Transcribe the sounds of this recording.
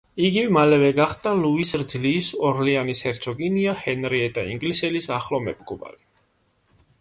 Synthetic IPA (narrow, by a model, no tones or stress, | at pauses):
iɡivmalɛvɛɡaχd̪aluisɾd̪zliːsɔɾlianishɛɾt̪sʰɔɡiniahɛnɾiɛt̪ʼaḭŋɡlisɛlisaχlɔmɛ̰pʼɡɔba̰li